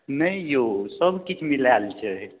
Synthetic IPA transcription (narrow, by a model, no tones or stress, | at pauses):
nəijosəbʱkit͡ʃʰmilalt͡ʃʰɛ